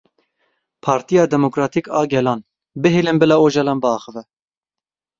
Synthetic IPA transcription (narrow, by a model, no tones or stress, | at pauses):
pʰɑːɾt̪ijɑːd̪ɛmokɾɑːt̪ʰikɑːɡɛlɑːn | bɨɦelɨnbɨlɑːoːʒɑlɑːnbɨɑːxəvɛ